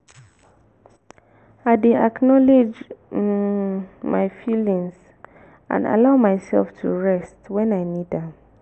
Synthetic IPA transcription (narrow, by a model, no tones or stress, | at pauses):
aɪdeaknɔled͡ʒ | maɪfilĩŋs | ʔã̰nda̰laʊmaɪsɛ̰lftʰṵɹɛstwɛ̃naɪnidãm